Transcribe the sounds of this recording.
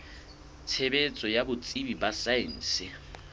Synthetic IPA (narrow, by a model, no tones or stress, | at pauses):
t͡sʰebet͡sʼɔjabʊt͡sʼibibasaɪn̩ːsɪ